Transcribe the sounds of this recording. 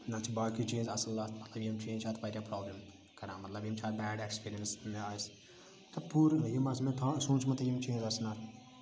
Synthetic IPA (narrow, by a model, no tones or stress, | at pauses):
nat͡ʃʰibaːkit͡ʃẽːnd͡ʒɐsɐllaːt̪ʰmɐt̪lɐbjimt͡ʃẽːnd͡ʒt͡ʃʰaːt̪ʰbaːɾʲjapɾɔːbləm | kɐɾãːmɐt̪lɐbjimt͡ʃʰaːt̪̚bɛːɖekspiːɾiənsmeaːs | t̪ɐpuɾjimɐsmet̪ʰãːsũːnt͡ʃʰmɐt̪ɐjimt͡ʃẽːnd͡ʒɐsnat̪